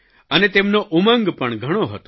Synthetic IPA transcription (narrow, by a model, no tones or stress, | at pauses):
ənet̪ɛmnoʔumə̃ŋɡpəɳɡʱəɽ̃oɦət̪o